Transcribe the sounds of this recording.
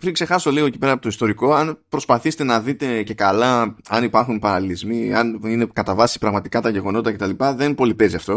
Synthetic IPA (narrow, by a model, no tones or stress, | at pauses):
pɾiŋkse̞xɐso̞liɣo̞ecipe̞ɾɐpot̪oist̪o̞ɾiko̞ɐnpɾo̞spɐθise̥t̪e̞nɐðit̪e̞ce̞kɐlɐɐnipɐɾxunpɐɾɐlilizmiɐnine̞kɐt̪ɐvɐsi̥pɾɐɣmɐt̪i̥kɐt̪ɐʝe̞ɣo̞no̞t̪it̪ɐce̞t̪ɐlipɐðe̞npo̞lipe̞ziɐft̪o̞